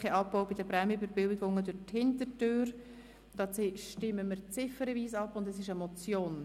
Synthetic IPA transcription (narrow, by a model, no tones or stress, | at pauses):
χɛʔɑpːɔʊwbɪdəpɾɛmybəɾbɪlɪɡʊŋːədʊthɪntətøːɾ | d̥ɑːt͡sʃtɪmːəməɾt͡sɪfəɾəviːsɑpːʊndɛsɪʃɛmɔt͡sjoːn